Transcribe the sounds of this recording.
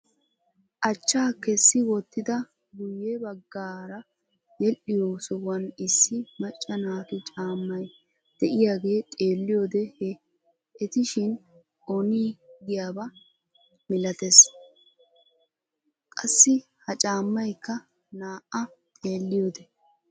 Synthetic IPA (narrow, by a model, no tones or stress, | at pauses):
ʔɐt͡ʃːaːkɛsːɪwɔt̪ːɪd̪ɐ | ɡʊjebɐɡːaːɾɐ | jɛlʔɪjoːsɔwɐnɪsːɪmɐt͡ʃʼːɐnaːk̪ɪt͡ʃʼaːmːɐj | d̪̥ɛʔɪjaːɡe̞ːt̪ʼe̞ːlːɪjo̞ːd̪ɛhɛ | ɛt̪ɪʃɪn | ʔɔniːɡɪjaːbɐ | mɪlɐt̪es | kʼɐsːɪ | hɐt͡ʃʼaːmːɐjkːɐ | naːʔɐt̪ʼe̞ːlːɪjoːd̪ɛ